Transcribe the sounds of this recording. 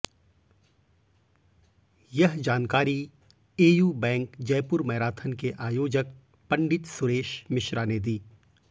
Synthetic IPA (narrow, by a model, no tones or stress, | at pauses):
jɐɦd͡ʒaːnkaːɾi | eːjuːbɛ̃ːŋkd͡ʒɐjpʊɾmɐɦɾaːt̪ʰənkeʔaːjoːd͡ʒək̚ | pɐ̃ɳɖɪt̪sʊɾeːʃmɪʃɾaned̪iː